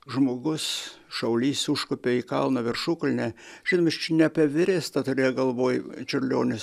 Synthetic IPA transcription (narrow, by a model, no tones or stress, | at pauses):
ʒmoːɡʊs | ʃɐʊlʲiːsuʃkʊpʲeiːkɐlˠnɐʋʲɪrʃʊklʲnʲɛʒʲɪnomʲɐst͡ʃʲɛnʲɛpʲɛʋʲɪɾʲeːst̪ɐt̪ʊɾʲeːjɛɡɐlˠʋoːjt͡ʃʲʊrʲlʲoːnʲɪs